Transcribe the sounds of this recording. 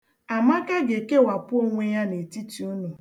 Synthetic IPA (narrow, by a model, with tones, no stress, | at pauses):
a˨ma˦ka˦ɡe˨ke˦wa˨pʊ˦o˦ŋʷe˦ja˦ne˨ti˦ti˨o˦nu˨